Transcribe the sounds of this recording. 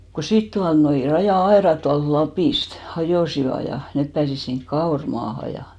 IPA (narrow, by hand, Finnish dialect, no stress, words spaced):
ku sit tuɑlnoi rɑjɑˑɑerɑt tuɑlt lɑpiˑst hɑjoˑsiʋɑ jɑ nep pæːsis siŋk kɑormɑːhɑ jɑ